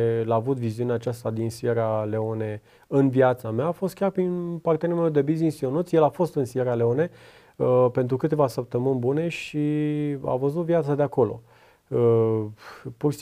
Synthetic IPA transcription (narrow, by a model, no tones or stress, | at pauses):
laːvut̪viziuneat͡ʃast̪ad̪insijeɾale̞o̞ne̞ | ɨnvjat̪sameaːfo̞st̪kʲarpɾinpart̪ʲanemewd̪e̞bizinsio̞nut̪sʲjelafo̞st̪ɨnsieɾale̞one̞ | əpe̞nt̪ɾukɨt̪e̞vasəp̚t̪əmɨnʲbune̞ʃia̰vəzut̪vjat̪sad̪e̞ako̞lo̞̰ | ə | pur